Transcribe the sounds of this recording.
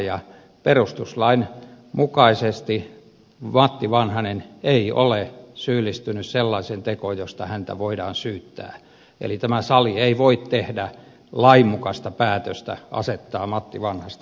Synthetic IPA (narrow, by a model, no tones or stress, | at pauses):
jɑ | perust̪uslɑin | mukɑisest̪i | mɑt̪ːiʋɑnhɑneneio̰lesyːlːist̪ynysselːɑisent̪ekojjost̪ɑhænt̪æ̰ʋoidɑːnsyːt̪ːæ̰ː | ḛlit̪æmæsɑlieiʋoit̪t̪ehdæ | lɑimːukɑst̪ɑpæːt̪øst̪æ̰ʔɑ̰set̪ːɑːmɑt̪ːiʋɑnhɑst̪